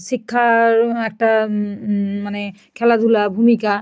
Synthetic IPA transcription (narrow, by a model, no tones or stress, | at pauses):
sikʰːaɛk̚ta | manɛ | kʰɛladulabʱumika